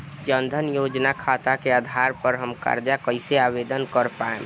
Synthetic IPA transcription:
d͡ʒənd̪ʱənjod͡ʒnakʰat̪akead̪ʱaɾpəɾɦəmka̰ɾd͡ʒakəɦɪseabed̪ənkəɾpaḛm

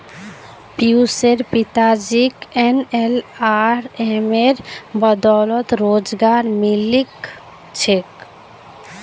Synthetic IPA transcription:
piuseɾpit̪ad͡ʒikenelaɾemeɾbəd̪ɔlɔt̪ɾod͡ʒɡaɾmilik | t͡ʃʰek

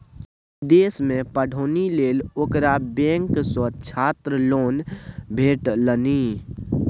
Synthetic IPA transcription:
d̪eːsmẽpəɽʱoːnileːloːkɾabẽːŋksət͡ʃʰaːt̪ɾəloːnbʱeːʈləni

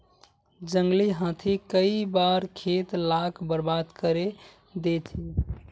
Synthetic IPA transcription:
d͡ʒəŋɡliɦãt̪ʰikəibaɾkʰet̪lakʰbəɾbad̪kəɾe | d̪et̪ʰi

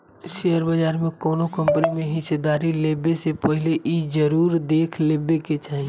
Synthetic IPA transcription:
ʃeɦəɾbəd͡ʒaːɾmẽkɔːnokə̃mpnimẽɦɪsed̪aːɾileːbesepəɦɪleʔid͡ʒəɾuːɾd̪eːkʰleːbeket͡ʃaːɦi

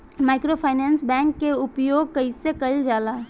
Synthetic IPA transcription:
maːɪkɾopʰaːɪnɛ̃ːnsbɛ̃ːŋkːeʊpjoːɡ̚kɐisekɐɪld͡ʒaːlaː

